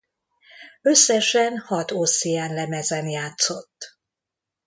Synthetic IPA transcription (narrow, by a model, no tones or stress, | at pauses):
øsːɛʃɛnhɒt̪osijɛnlɛmɛzɛnjaːt̪so̞t̪ː